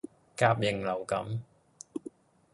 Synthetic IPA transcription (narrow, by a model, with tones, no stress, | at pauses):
kaː˧p̚jɪ˨˩ŋlɐ˨˩wkɐ˨˥m